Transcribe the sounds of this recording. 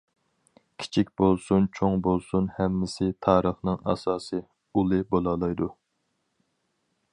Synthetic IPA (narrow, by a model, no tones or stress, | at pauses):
kʲʰi̥t͡ʃʰik̚ʲbolˠsunt͡ʃʰoŋbolˠsunhɛmːɪsɪt̪ʰɑːɾəχnɨŋɑ̰sɑːsɨ | ulˠɨbolˠɑlˠɑjd̪u